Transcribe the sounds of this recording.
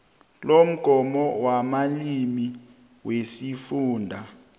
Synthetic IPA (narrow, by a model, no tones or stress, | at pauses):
lom̩ɡ̥ʱɔmɔwamalimi | wesifuːndʱa